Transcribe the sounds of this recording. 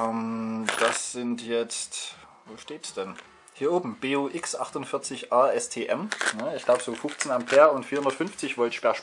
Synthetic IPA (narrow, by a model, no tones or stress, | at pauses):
ʔɛmd̥asz̥ɪntjɛt͡st | voːʃteːtsd̥ɛn | hiːɐʔoːbm̩b̥eːoːʔɪksʔaχtʊnfɪɐt͡sɪçʔaːʔɛstʰeːʔɛmnəɪçɡ̥laʊbəz̥oːfʊxt͡sn̩ampʰeːɐʊntfiːɐhʊndɐtfʏnft͡sɪçv̥ɔltʃb̥ɛɐʃ